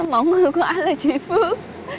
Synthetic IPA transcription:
mɔ˧˦wŋ͡mŋɨ˨˩jku˧˩˦əʔa˧jŋlaː˨˩t͡ɕḭ˧˦fɨ˦˥ək̚

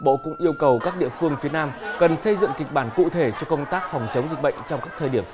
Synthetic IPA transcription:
ɓo̰˧˨kʊ̰˧˥ŋ͡mʔi˧əwkə˨˩wkaː˦˥k̚ɗḭ˧˨əfɨ˧əŋfi˨˦ənaː˧mkə˨˩nsə˧jzɨ̰˧˨ŋki˨˩k̚ɓaː˧˩nkṵ˧˨t̪ʰe˧˩t͡ɕɔ˧kə˧wŋ͡mt̪aː˦˥k̚fɔ˨˩wŋ͡mt͡ɕə˨˦wŋ͡mzi˨˩k̟̚ɓə̰˧˨jŋ̟t͡ɕɔ˧wŋ͡mkaː˦˥k̚t̪ʰəː˨˩ɗi˧˩əm

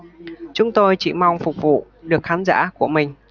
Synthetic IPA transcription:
t͡ɕʊ˨˦ŋ͡mt̪o˧jt͡ɕḭ˧˩ma˧wŋ͡mfʊ˨˩k͡p̚vṵ˧˨ | ɗɨ˨˩ək̚xaː˨˦nza̰ː˧˥ku˧˩əmï˨˩ŋ̟

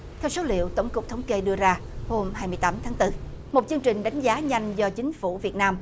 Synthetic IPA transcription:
t̪ʰɛ˧wso˨˦lḭ˧˨əwt̪ə˧˩wŋ͡mkʊ˨˩k͡p̚t̪ʰə˨˦wŋ͡mke˧ɗɨ˧əzaː˧ | ho˧mhaː˧jmɨ˧əjt̪aː˨˦mt̪ʰaː˨˦ŋt̪ɨ˧ | mo˨˩t̚t͡ɕɨ˧əŋt͡ɕï˨˩ŋ̟ɗa˨˦jŋ̟zaː˨˦ɲa˧jŋ̟zɔ˧t͡ɕï˨˦ŋ̟fu˧˩vi˨˩ət̚naː˧m

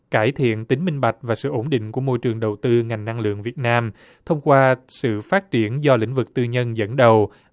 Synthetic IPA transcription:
kaː˧˩jt̪ʰḭ˧˨ənt̪ï˨˦ŋ̟mï˧ŋ̟ɓa˨˩jk̟̚vaː˨˩sɨ̰˧˨ʔo˧˥nɗḭ̈˧˨ŋ̟ku˧˩əmo˧jt͡ɕɨ˨˩əŋɗə˨˩wt̪ɨ˧ŋa˨˩jŋna˧ŋlɨ̰˧˨əŋvi˨˩ət̚naː˧m | t̪ʰə˧wŋ͡mkwaː˧sɨ̰˧˨faː˦˥t̚t͡ɕi˧˩ənzɔ˧lḭ˧˥ŋ̟vɨ˨˩k̚t̪ɨ˧ɲə˧nzə̰˧˥nɗə˨˩w

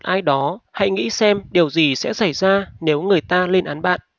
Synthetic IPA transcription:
t̚ʔaː˧jɗɔ˨˦ha̰˧˨jŋḭ˧˥sɛ˧mɗi˨˩əwzi˨˩sɛ̰˧˥sa˧˩jzaː˧ne˨˦wŋɨ˨˩əjt̪aː˧le˧nʔaː˨˦nɓa̰ː˧˨nʔ

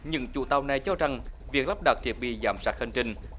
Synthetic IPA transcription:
ɲɨ̰˧˥ŋt͡ɕṵ˧˩˦t̪a˨˩wna˨˩jt͡ɕɔ˧za˨˩ŋvi˨˩ək̚la˦˥p̚ɗə˨˩t̚t̪ʰi˨˩ət̚ɓḭ˧˨zaː˨˦msaː˦˥k̚hə˧nt͡ɕï˧ŋ

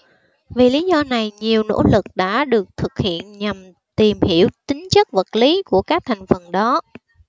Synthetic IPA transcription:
vi˨˩li˨˦zɔ˧na˨˩jɲi˨˩əwno̰˧˥lɨ˨˩k̚ɗa̰ː˧˥ɗɨ˨˩ək̚t̪ʰɨ˨˩k̚hḭ˧˨ənɲa˨˩m | t̪i˨˩mhi˧˩əwt͡ɕ̪ï˨˦ŋ̟t͡ɕə˦˥k̚və˨˩t̚li˨˦ku˧˩əkaː˦˥k̚t̪ʰa˨˩jŋ̟fə˨˩nɗɔ˨˦

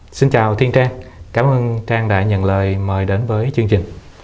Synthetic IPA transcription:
si˧nt͡ɕaː˨˩wt̪ʰi˧ənt͡ɕaː˧ŋkaː˨˦mʔəː˧nt͡ɕaː˧ŋɗa̰ː˧˩ɲə̰˧˨nləː˨˩jməː˨˩jɗe˨˦nvəː˨˦jt͡ɕɨ˧əŋt͡ɕï˨˩ŋ̟

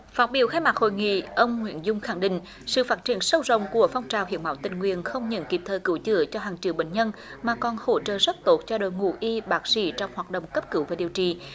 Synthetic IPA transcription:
faː˦˥t̚ɓi˧˩əwxaː˧jmaː˨˩ho̰˧˨jŋḭ˧˨ʔə˧wŋ͡mŋwḭ˧˨ənzʊ˧ŋ͡mxa˧˩ŋɗḭ̈˧˨ŋ̟ | sɨ̰˧˨faː˦˥t̚t͡ɕi˧˩ənsə˧wzə̰˧˨wŋ͡mku˧˩əfɔ˧wŋ͡mt͡ɕaː˨˩whi˧˨˦ma̰ː˧˦wt̪ï˨˩ŋ̟ŋwḭ˧˨ənxə˧wŋ͡mɲə̰˧˥nki˨˩p̚t̪ʰəː˨˩kɨ˧˦wt͡ɕɨ̰˧˩ət͡ɕɔ˧ɦaː˨˩ŋt͡ɕɨ̰˧˦wɓḛ˧˨n̟ɲə˧nmaː˨˩kɔ˨˩nho̰˧˥t͡ɕə̰ː˧˨˩zə˦˥t̚t̪o˦˥t̚t͡ɕɔ˧ɗo̰˧˨jŋu˧˩ʔi˧ɓaː˦˥k̚sḭ˧˥t͡ɕɔ˧wŋ͡mhwaː˨˩t̚ɗə̰˧˨wŋ͡mkə˦˥p̚kɨ˧˦wvaː˨˩ɗi˨˩əwt͡ɕḭ˧˨

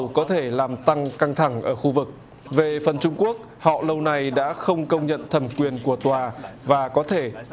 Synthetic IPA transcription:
wkɔ˨˦t̪ʰe˧˩laː˨˩mt̪a˧ŋka˧ŋt̪ʰa˧˩ŋʔəː˧˩xu˧vɨ˨˩k̚ | ve˨˩fə˨˩nt͡ɕʊ˧ŋ͡mku˦˥ək̚hɔ̰˧˨lə˧wna˨˩jɗa̰ː˧˥xə˧wŋ͡mkə˧wŋ͡mɲə̰˧˨nt̪ʰə˨˩mkwi˨˩ənku˧˩ət̪waː˨˩vaː˨˩kɔ˨˦t̪ʰe˧˩

